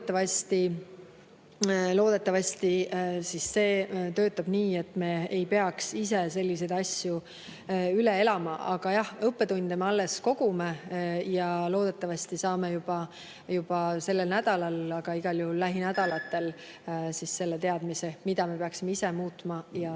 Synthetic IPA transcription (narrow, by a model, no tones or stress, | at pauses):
t̪ːˑɑvɑst̪i | lo̞ːd̪e̞t̪ːˑɑvɑst̪isisːe̞ːt̪ø̞ːt̪ːˑɑb̥niːe̞t̪ːˑme̞ːejpe̞ɑksise̞se̞lʲːis̬e̞jd̪̥ɑsju | ylee̞lɑmɑʔɑɡ̥ɑjɑhɤpːe̞t̪und̪̥emeɑlːe̞sko̞ɡ̥umejɑlo̞ːd̪̥e̞t̪ːˑɑvɑsʲt̪isɑːmejub̥ɑ | jub̥ɑse̞lːelnæd̪̥ɑlɑlɑɡ̥ɑiɡ̥ɑljuhulːæɦinæd̪̥ɑlɑt̪ːˑe̞l | sisse̞lːet̪e̞ɑd̪̥mise̞mid̪̥ɑme̞pe̞ɑksime̞ise̞muːt̪mɑjɑ